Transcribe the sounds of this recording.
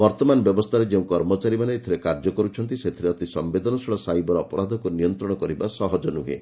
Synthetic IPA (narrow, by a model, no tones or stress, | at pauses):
bɔɾt̪ɔmanɔbjɔbɔst̪ʰaɾed͡ʒeũkɔɾmɔt͡ʃaɾimaneːt̪ʰiɾekaɾd͡ʒɔkɔɾut͡ʃʰɔnt̪iset̪ʰiɾeɔt̪isɔmbed̪ɔnɔsɔɭɔsajbɔɾɔpɔɾad̪ʱɔkunijɔnt̪ɾɔɽɔkɔɾibasɔɦɔd͡ʒɔnuɦḛ